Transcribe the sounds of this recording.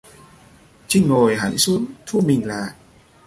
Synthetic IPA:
t͡ɕi˧˥˩ŋŋoː˨˩jɦa̰˧˩˦jsu˧˦˥ənt̪ʰu˧˩mi˨˩ŋ̟la̰ː˨˩k̚

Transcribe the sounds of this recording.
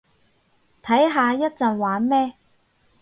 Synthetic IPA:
t̪ʰɐ˨˥jɦaː˧jɐ˥t̚t͡sɐ˨nwaː˨˥nmɛː˥

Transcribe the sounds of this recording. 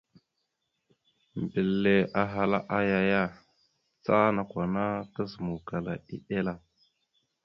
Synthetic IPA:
m˨bi˨lːe˨ʔa˦ɦa˦la˦ʔa˦ja˦ja˦ | t͡sa˦na˨kʷa˨na˦ta˦zu˨mu˨ka˨la̰˨ḭ˦ɗe˦la˦

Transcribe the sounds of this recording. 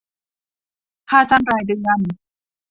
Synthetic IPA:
kʰaː˥˩t͡ɕaː˥˩nɾaː˧˩jdɯ˧ən

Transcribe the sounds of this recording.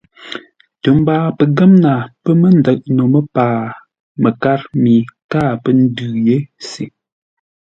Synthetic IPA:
tə˨m˦baː˦pə˨ɡə˦mna˨pə˦mə˦n˨də˨ʔ̚no˨mə˦paː˨ | mə˨ka˦ɾmi˨kaː˦˨pə˦n̩˦dʉː˨je˦si˨

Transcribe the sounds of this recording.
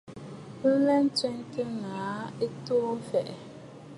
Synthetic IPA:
lɛ˦n˦t͡sɛ˦ntə˦ŋaː˨˦e˦to˦fɛ˨ʔ

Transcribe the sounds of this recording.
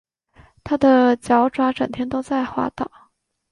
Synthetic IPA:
t̪ʰa˥d̪ə˨t͡ɕjɑ˧˥ʊʈ͡ʂwa˥ʈ͡ʂə˨˩ŋt̪ʰjɛ˥nt̪o˥ʊt͡sa˥˩ɪxwa̰˥t̪ɑ˥˨˩ʊ

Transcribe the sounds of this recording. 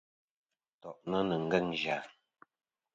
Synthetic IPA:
tɔ˨ʔnə˦nə˨ŋ̩˦ɡə˦ŋʒaː˨˦

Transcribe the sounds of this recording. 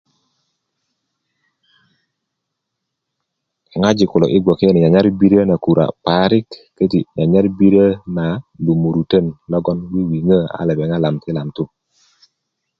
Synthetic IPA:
ɛ˨ŋa˦d͡ʒɪ˨kʊ˨lɔ̰˨ʔɪ˦ɡwɔ˨ke˦nɪ˨ɲa˨ɲa˦ɾbi˦ɾi˦ə˦na˨ku˨ɾa̰˨pa˦ɾɪ˦kːə˦ti˨ɲa˨ɲa˦ɾbi˦ɾə˦na˨du˨mu˨ɾu˨tə˦˨nlɔ˦ɡɔ˦nɡwi˦wi˨ŋə˦a̰˦lɛ˨bɛ˨ŋa˦la˨mtɪ˦la˨mtu˦

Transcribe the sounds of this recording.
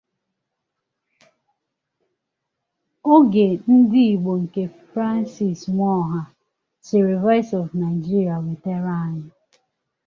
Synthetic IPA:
o˦ɡe˨n̩˦di˦i˨ɡ͡bo˨ŋ̩˨ke˨fɾa˦n˦si˨sŋʷɔ˦ɦa˦ | t͡ʃɪ˨ɾɪ˨vɔ˦ɪ˦sɔ˨vna˨ɪ˨d͡ʒi˦ɾija˨we˨te˦ɾa˦a˨ɲɪ˦

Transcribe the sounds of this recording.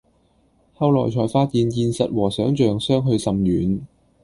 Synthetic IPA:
hɐ˧wlɔː˨˩jt͡ʃʰɔː˨˩jfaː˧t̚jiː˨˧njiː˧nsɐ˨t̚wɔː˨˩sœː˨˥ŋt͡ʃœː˨ŋsœː˥ŋɦɵ˧ɥsɐ˨mjyː˨˥n

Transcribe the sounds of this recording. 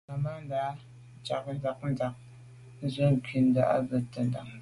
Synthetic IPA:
ma˨ma˦n̩˦daː˨˦ | t͡ʃa̰˨k̚n̩˦za˨k̚n̩˦da˨k̚ | n̩˦zə˦ŋ̩˨kʰi˨n̩˦da̰˦˨ʔa̰˦bə˨tːə˦n˦da̰˨ŋ

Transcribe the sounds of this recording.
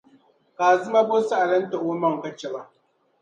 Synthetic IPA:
kaː˨zɨ˦ma˦bo˦su˦ʔa˨lɐ˦nta˨ʔoː˦mɐ˨ŋ˨kɐ˦t͡ʃːe˨ba˦ʔ

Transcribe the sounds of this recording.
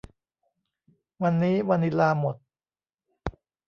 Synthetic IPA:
wa˧nːiː˦˥wa˧nːi˦laː˧mo˨˩t̪̚

